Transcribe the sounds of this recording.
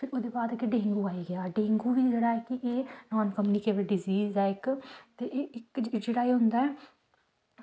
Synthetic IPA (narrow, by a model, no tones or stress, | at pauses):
pʰɪɾoːd̪eːbaːd̪keɖẽːŋɡuːaːiɡɪjaːɖẽːŋɡuːʋiːd͡ʒeːɽaːɛːkɪʔeːnɔːnkəmuːnikeːbəɖɪziːzɛːɪkt̪eːʔeːɪkd͡ʒeːɽaːeːɦʊnd̪aːɛː